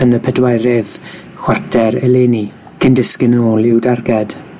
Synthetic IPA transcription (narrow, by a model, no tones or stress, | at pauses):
ənəpʰɛdwajɾɛð | xw̥atʰɛɾɛleːni | ɡ̥ʰəndɪskɪnoːlˠɪwdarɡɛd̥